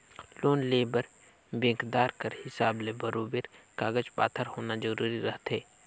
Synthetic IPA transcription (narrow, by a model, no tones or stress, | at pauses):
loːnleːbəɾ | bẽːkd̪aːɾkəɾhɪsaːblebəɾoːbeɾkaːɡəd͡ʒpa̰ːt̪ʰəɾhoːnazɐɾuːɾiɾɐɦt̪ɦeː